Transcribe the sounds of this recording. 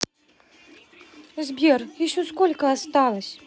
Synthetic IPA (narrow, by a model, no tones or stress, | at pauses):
zbʲerjɪɕoskolʲkəast̪ɑlˠəsʲ